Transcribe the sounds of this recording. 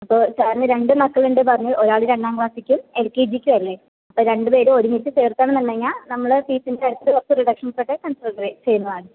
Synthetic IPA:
ɐpːo̞ːt͡ɕaːɾɐnːɨɾe̞ɳɖɨmɐkːɐɭuɳɖɨp̬ɐrɐɲːuʔoɾaːɭɨɾeɳɖaːŋɡʋaːsikʲːumelkeːd͡ʑikʲːuɐlːe̞ | ɐpːoːɾe̞ɳɖɨpe̞ːɾuo̞ɾumit̪ːɨseːrt̪ːaːɳɨnɐnːɐŋːaːnɐmːɐɭpiːsindeɐɽut̪ːɐɨort̪ːɨriɖɐkʂɐnpoːʈːekɐnsɐɐɖɐrit͡ɕe̞jːunːɐðaːɳɨ

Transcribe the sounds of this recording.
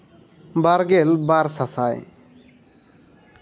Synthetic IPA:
baɾɡelbaɾsasaj̰

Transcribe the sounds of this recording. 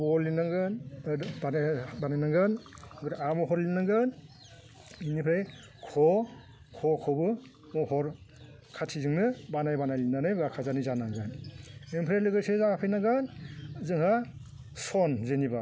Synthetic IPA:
bɔlinaŋɡɯnbanbanajnaŋɡɯnɡɯɾamɔɦɔɾlinaŋɡɯn | inipʰɾej | kʰɔ | kʰɔkʰɔbɯ | mɔhɔɾ | kʰatʰizɯŋnɯbanajbanajlinanajbakʰazanizanaŋɡɯnempʰɾejlɯɡɯsezaapʰɯjnaɡɯnzɯŋha | sɔnzeniba

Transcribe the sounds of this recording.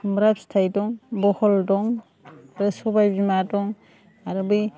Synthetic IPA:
mɾap̚stʰajdɔŋbɔhɔldɔŋ | ɾɯsɔbajbimadɔŋ | aɾɯbɯj

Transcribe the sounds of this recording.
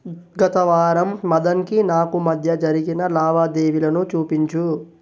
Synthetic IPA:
ɡɐt̪ɐʋaːɾɐmːɐd̪ɐŋkinaːkumɐd̪ʱjɐd͡ʒɐɾiɡinɐlaːʋaːd̪eːʋilɐnut͡ʃuːpiɲt͡ʃu

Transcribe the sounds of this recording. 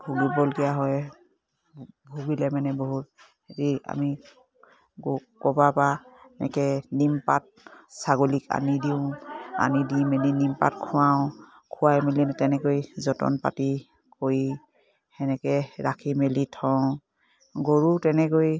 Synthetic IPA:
bʱuɡibɔlkijaɦɔj | bʱuɡilɛmanɛboɦut̚ | etia̰mi | ɡkɔbapaɛnɛ̰kɛnimpat̚saɡolika̰nidiʊ̃a̰nidimelinimpa̰tkʰʊwaʊ̃ | kʰʊwajmilinɛtɛnɛkojzɔtɔ̰npa̰ti | koji | hɛnɛkɛɹakʰimelitʰɔ | ɡoɹutɛnɛkoj

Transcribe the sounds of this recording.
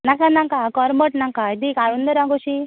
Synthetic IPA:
nakanãŋkakɔɾməʈnãŋkaid̪ikaɽund̪əɾãŋɡoʃi

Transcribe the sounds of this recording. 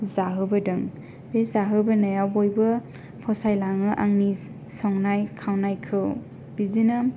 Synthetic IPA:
zaɦɯbɯdɯŋ | beszaɦɯbɯnajawbojbɯ | pʰɔsajlaŋɯʔaŋni | sɔŋnajkʰawnajkʰɯw | b̥izinɯ

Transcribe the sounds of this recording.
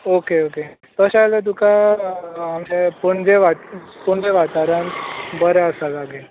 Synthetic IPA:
okeoke | t̪əɕajled̪uka | amd͡ʑepəɳd͡ʑeʋat̪puɳd͡zeʋat̪aɾənbəɾɛəsalaɡel

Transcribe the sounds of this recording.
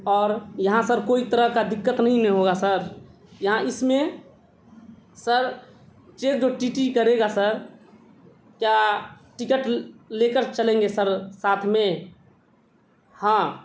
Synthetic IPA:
ɔːɾjəɦãsəɾkoit̪əɾəɦkad̪ɪkːət̪nəɦĩnẽɦoɡasəɾ | jəɦãɪsmẽ | səɾ | t͡ʃekd͡ʒoʈiʈikəɾeɡasəɾ | kja | ʈikəʈlekəɾt͡ʃəlẽŋɡesəɾsat̪ʰmẽ | hã

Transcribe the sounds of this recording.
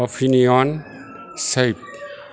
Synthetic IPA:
ɔfiniɔ̃n | sep̚

